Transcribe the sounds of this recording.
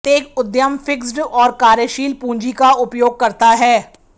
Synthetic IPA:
t̪eːkʊd̪jəmfɪksɖɔːɾkaːɾjəʃiːlpũːɲd͡ʒikaʊpjoːɡ̚kɐɾt̪aɦɛː

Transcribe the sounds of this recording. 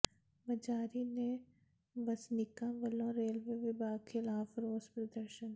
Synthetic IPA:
bɐd͡ʒaːɾine | bɐsnɪkãʋɐlõɾeːlʋeʋɪbaːɡxɪlaːfɾoːzpɾɐd̪əɾʃən

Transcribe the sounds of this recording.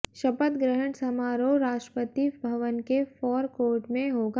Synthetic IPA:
ʃɐpət̪ɡɾəɦəɳsɐmaːɾoɾaːʃʈɾəpət̪ibʱɐʋənkefɔːɾkoːɾʈmẽɦoːɡ

